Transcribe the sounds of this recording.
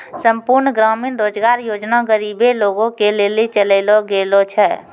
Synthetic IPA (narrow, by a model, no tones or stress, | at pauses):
səmpuɾnɡɾaːminɾoːd͡ʒɡaɾjoːd͡ʒnaɡəɾiːbeloːɡõkeleːlit͡ʃələɪloɡeːlot͡ʃʰɛː